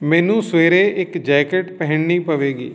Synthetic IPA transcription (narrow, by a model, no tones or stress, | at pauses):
mɛ̃ːnũːsʋeːɾeːɪkd͡ʒɛːkeʈpɛɦɪɳniːpəʋeːɡḭː